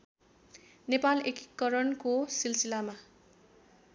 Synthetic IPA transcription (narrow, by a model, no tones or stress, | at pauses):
nepaleki̥kːʌɾʌnkosilsilama